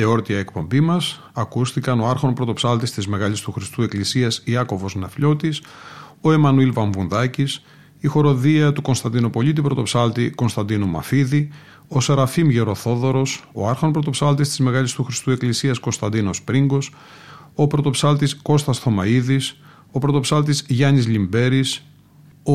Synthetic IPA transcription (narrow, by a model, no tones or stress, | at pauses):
eo̞ɾt̪iɐekpo̞mbimɐs | ɐkusθikɐno̞ɐɾxo̞npɾo̞t̪o̞psɐlt̪ist̪izme̞ɣɐlist̪uxɾist̪ue̞klisiɐsiɐko̞vo̞znɐfʎo̞t̪iso̞emɐnuilvɐɱvunðɐcis | ixo̞ɾo̞ðiɐt̪uko̞nst̪ɐnd̪inopo̞ʎit̪̬ipɾo̞t̪o̞psɐlt̪iko̞nst̪ɐnd̪inumɐ̰fiði | osɐɾɐfimʝe̞ɾo̞θo̞ðo̞ɾo̞so̞̰ɐɾxonpɾot̪o̞psɐlt̪ist̪izme̞ɣɐlist̪uxɾist̪ue̞klisiɐsko̞nst̪ɐnd̪ino̞spɾiŋɡo̞s | o̞pɾo̞t̪o̞psɐlt̪isko̞st̪ɐsθo̞mɐiðis | o̞pɾo̞t̪o̞psɐlt̪izʝɐnizʎimbe̞ɾis | o